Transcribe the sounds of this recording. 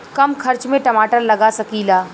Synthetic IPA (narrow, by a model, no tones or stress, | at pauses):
kɐmkʰɐɾt͡ʃmẽʈɐmaːʈəɾlɐɡasɐkiːlaː